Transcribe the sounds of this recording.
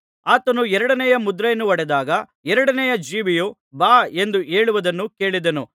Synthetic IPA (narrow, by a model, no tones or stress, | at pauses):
aːt̪ɐnuɛɾɐɽɐnɛjɐmud̪ɾɐjɐnːuʋɐɽɛd̪aːɡɐ | ɛɾɐɽɐnɛjɐd͡ʒiːʋiju | baːe̞nd̪uʔe̞ːɭuʋɐd̪ɐnːuke̞ːɭid̪ɐnu